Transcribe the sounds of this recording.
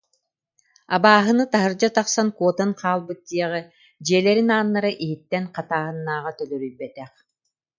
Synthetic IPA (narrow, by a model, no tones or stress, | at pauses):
a̰baːɦɯnɯt̪aɦɯɾd͡ʑat̪aqsankuɔt̪anqʰaːlˠbɯt̪̚ːiɛʁɯ | d͡ʑiɛlɛɾinaːnːaɾɯʔiɦit̪ːɛnqat̪aːɦɯnːaːʁat̪œlœɾyjbɛt̪ɛχ